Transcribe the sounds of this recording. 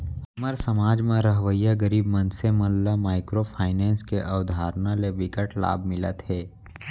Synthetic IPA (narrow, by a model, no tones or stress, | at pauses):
ɐməɾsəmaːd͡ʒmãɾəɦʋəjaɡəɾiːbmə̃nseməllamaːɪkɾopʰaːɪnɛ̃ːnskeʔɐwd̪ʱaːɾnaleʋɪkəʈla̰ːb̚ʱmɪlə̰t̪ɦɛː